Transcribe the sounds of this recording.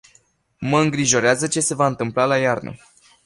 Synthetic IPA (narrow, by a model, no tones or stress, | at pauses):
məɨŋɡɾiʒo̞ɾeazət͡ʃe̞se̞vaɨnt̪ɨmplalajarnə̰